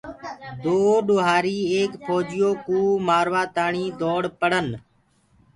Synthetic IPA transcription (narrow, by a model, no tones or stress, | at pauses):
d̪oːɗoːɦaːɾiːeːkpʰoːd͡ʒɪjoːkuːmaːɾʋaːt̪aːɳiːd̪oːɽpəɽən